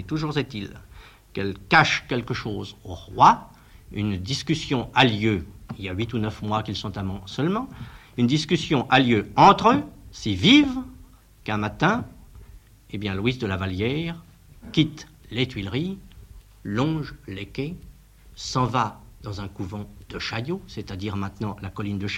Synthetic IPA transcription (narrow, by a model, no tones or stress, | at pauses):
t̪uʒuʁzet̪il | kɛlkaʃkʲɛlkəʃozoʁwa | ynd̪iskʲysjɔ̃aljøiljaɥit̪unœfmwakilsɔ̃t̪amɑ̃sœlmɑ̃ | ynd̪iskʲysjɔ̃ʔaljøɑ̃t̪χøsiviv | kɛ̃mat̪ɛ̃ | ebjɛ̃lwisd̪əlavaljɛʁ | kʲit̪let̪ɥilʁi | lɔ̃ʒlekʲe | sɑ̃vad̪ɑ̃zɛ̃kuvɑ̃d̪̥əʃajoset̪ad̪iʁmɛ̃t̪nɑ̃lakɔlind̪əʃ